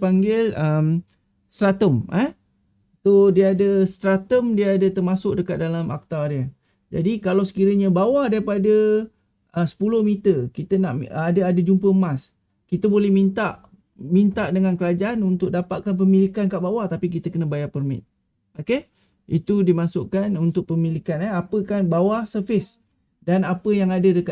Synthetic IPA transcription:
paŋɡɪləm | st̪ɾat̪əməh | sodiəadəst̪ɾat̪əmdiəadət̪ərmasʊk̚dəkat̪̚dalamʔa̰k̚t̪adiə | d͡ʒa̰dikalawsə̥kiɾəɲəbawahdaɾipadə | əsə̥pulʊhmit̪əkit̪ənaʔadəadəd͡ʒumpəmas | kit̪əbolɛhmint̪aʔ | mint̪aʔdəŋankəlad͡ʒaʔanunt̪ʊk̚dapaʔ̪̚kanp̬əmilikankaʔbawaht̪apik̬it̪əkənəbajapərmɪ̰t̪̚ | oke | ʔit̪udimasʊʔkanunt̪ʊk̚pəmilikanaapəkanbawahsərfɪs | danapəjaŋadədəka

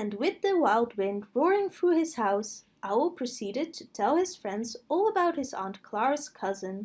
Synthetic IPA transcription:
ɨ̃nwɪðɨwaɪlˠd̚wɪ̃ndɹɔɹɪ̃ŋθɹuɪz̥haʊs | ʔaʊl̩ˠpʰɹ̥ɨsiɾɨd̚tʰɨtʰɛlˠɨz̥fɹɛ̃ndzɔlˠəbaʊt̚hɨzɑ̰̃ntkʰl̥ɑɹz̥kʰʌzɨ̃n

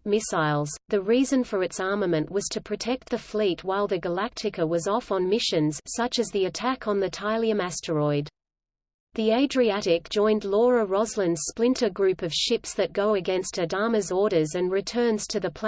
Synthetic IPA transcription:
mɪsaɪlˠz̥ðɨɹizɨ̃nfə˞ɨtsɑɹməmɨ̃nʔwʌz̥tʰɨpʰɹ̥ɨtʰɛk̚t̪̚ðɨflit̚waɪlˠðɨɡəlæk̚tʰɨkə˞wʌzɔfn̩mɪʃɨ̃nz̥sʌt͡ʃɨzðiɨtʰækʰn̩ðɨtʰaɪlˠiɨ̃mæstʰə˞ɔɪd̪ | ðieɪdɹiæɾɪk̚d̥ʒ̥ɔ̃ɪ̃ndˡlɔɹəɹɑzlə̃ndz̥splɪ̃ntʰə˞ɡɹʉpʌv̥ʃɪpsðɨt̚ɡ̥oʊɨɡɛ̃nstɨdɑmɨzɔɹɾə˞zɨ̃nɹɨtʰɜ̃˞nz̥tʰɨðɨpʰ

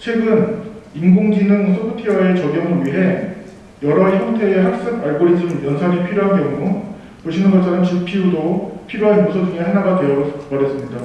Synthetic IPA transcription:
t͡ɕʰwe̞ɡɯnimɡoŋd͡ʑinɯŋsʰopʰɯtʰiʌe̞t͡ɕʌɡjʌŋɯɭɥiɦe̞ | jʌɾʌiçʰʌŋtʰe̞ːɦak̚s͈ɯk̚aɭɡoɾid͡ʑinɯnjʌnsʰaŋipʰiɾjoɦankjʌŋɡu | poɕʰinɯnɡʌt͡ɕ͈ʰanɯnt͡ɕuk̚pʰiudopʰiɾjoɦanmosʰʌd͡ʑɯŋehanaɡadwe̞jʌkʌɾɦes͈ɯmɲida

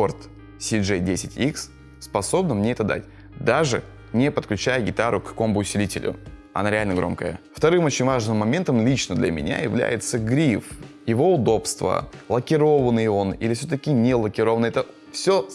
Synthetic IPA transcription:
ort̪ | sʲɪʐɛdʲesʲɪtʲiks | spɐso̞bnəmnʲeɛt̪əd̪a̰tʲ | d̪aʐɨ | nʲɪepət̪klʲʉt͡ɕæjəɡʲɪt̪aɾʊkːɐko̞mʊbʊʊsʲɪlʲitʲɪlʲʊ̰ | ɐ̰naɾʲɪalʲnəɡɾo̞̰mkəjə̰ft̪ɐɾɨmo̞t͡ɕɪnʲvaʐnɨmːɐmʲe̞nt̪əmlʲit͡ɕnəd̪lʲɐ̰mʲɪ̰nʲa̰jɪvlʲæ̰jɪt̪səɡɾʲifjɪvo̞ʊd̪o̞pst̪və̰lˠəkʲɪɾo̞vənɨjo̞nilʲɪfsʲot̪̬əkʲɪnʲelˠəkʲɪɾo̞vənəɛt̪ə | fsʲo

